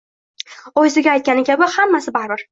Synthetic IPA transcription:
ɒjzɪɡʲaːjt̪̚kʲanɪkʲʰabɪhamːasɪbaɾbɪɾ

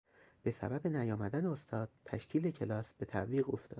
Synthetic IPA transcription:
b̥e̞sæ̰bæbe̞næjɒːmæd̪æneost̪ʰɒːd̪̥̚t̪ʰæʃcʰiːlecʰe̞lɒːsb̥e̞t̪ʰæviːɣo̞ft̪ʰɒːd̪

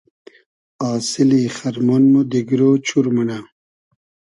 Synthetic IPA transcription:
aːsiliχɐɾmonmod̪iɡɾoːt͡ɕʰuɾmɐna

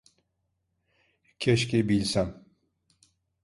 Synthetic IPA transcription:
kʰeʃkebilʲsam

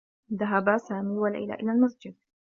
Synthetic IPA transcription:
ðaɦabasaːmiːwalʔɪ̰la̰ːʔɪlalmasd͡ʒɪd̪̚

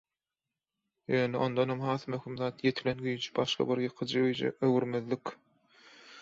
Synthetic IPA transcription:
jøːneond̪onhomhɑːθmøximðɑːt̪ʰje̞t̪ʰilenɡyjynt͡ʃʰi̥bɑʃqɑ̰biɾjɯqʰɯd͡ʒɯ̰øwyɾmeðlikʲ

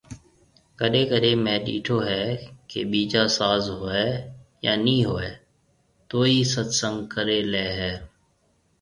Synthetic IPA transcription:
kəɗeːkəɗeːmɛ̃ːɗḭːʈʰoːɦɛːkḛːɓiːd͡ʒaːsaːzɦoːeːjaːnĩːɦoːeː | t̪oːiːsət̪səŋɡkəɾeːleːɦɛː

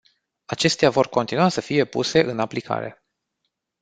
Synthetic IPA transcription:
at͡ʃe̞st̪eavo̞rko̞nt̪inuasəfije̞pṵse̞ʔɨnaplikʰa̰ɾe̞̰

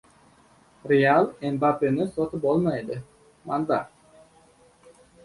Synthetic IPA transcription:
ɾealˠembapenɪsot̪ʊpolˠmɑjd̪ɪ | ma̰nd̪ɑ

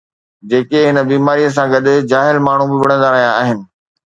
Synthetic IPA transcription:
d͡ʑeːkeɦɪnəbiːmaːɾijəs̬ãɡɐɗɪ̆d͡ʑaːɦɪlmaːɳ̤ũbɪʋɐɽ̃ə̃nd̪aːɾɐɦijãaːɦɪnɪ̆

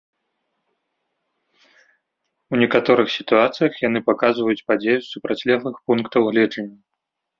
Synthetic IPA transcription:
unʲɛkat̪ɔɾɨxsʲit̪uat̪sɨjɐxjanɨpakazvɐjut͡sʲpad͡zʲejusupɾat͡sʲlʲɛɦlˠɨxpunkt̪ɐwɣlʲɛd͡ʐɐnʲːɐ

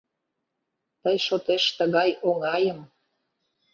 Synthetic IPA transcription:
t̪əjʃot̪eʃt̪əɣɑjoŋɑjəm

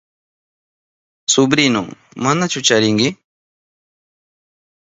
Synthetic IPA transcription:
sʊbɾɪnʊ̰ŋmanat͡ʃʊt͡ʃaɾɪŋɡɪ

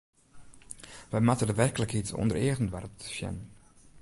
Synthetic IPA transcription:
ʋəjmatədəʋɛrkələkɦitsɔ̰ndəɾeːɣənʋa̰rtʃjɛ̰n

